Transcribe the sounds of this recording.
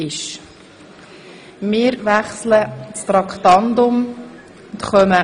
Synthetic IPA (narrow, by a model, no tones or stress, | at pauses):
ɪʃ | mɪːɾvæχslət͡st̪ɾɑktɑnd̪ʊm | ʊnt̪χœmə